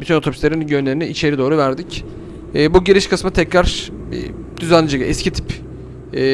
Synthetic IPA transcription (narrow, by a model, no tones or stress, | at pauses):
bit̪ʰyno̞t̪obʰyslʲeɾinɟønlʲe̞ɾinɛit͡ʃʰe̞ɾid̪o̞ːɾuvæɾd̪icː | buɟeɾiʃkʰasmɯt̪ʰɛcɾaɾ̥̰ | d̪̥yzænːʲid͡ʒeɡɯʔɛscʰit̪ʰi̥pː